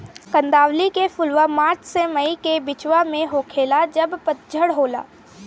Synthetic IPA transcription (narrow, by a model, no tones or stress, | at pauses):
kə̃nd̪aːwlikefʊlʋamaːɾt͡ʃʰsemɐikebɪt͡ʃwamẽɦoːkʰeːlad͡ʒɐbpət̪̚d͡ʒʱəɽɦoːla̰ː